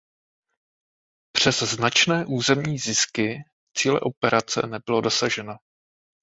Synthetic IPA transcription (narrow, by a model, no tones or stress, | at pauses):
pr̝̥ɛzznat͡ʃnɛːʔuːzɛmɲiːzɪskɪ | t͡siːlɛ̰ʔo̞pɛɾʔat͡sɛ̰nɛbɪlo̞do̞saʒɛno